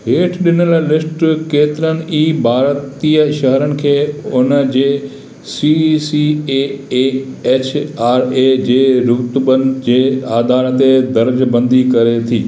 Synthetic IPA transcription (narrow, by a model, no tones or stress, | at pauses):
ɦeːʈʰɗɪnəllɪsʈkeːt̪ɪɾənɪ̆iːbʱaːɾt̪iːəʃɐɦəɾənɪ̆kʰeːʊnəd͡ʑeː | sisieːeːeːt͡ɕʰaːɾeːd͡ʑeːɾʊt̪bənd͡ʑeːaːd̪aːɾt̪ed̪ɐɾd͡ʑbɐ̃nd̪ikɐɾet̪ʰiː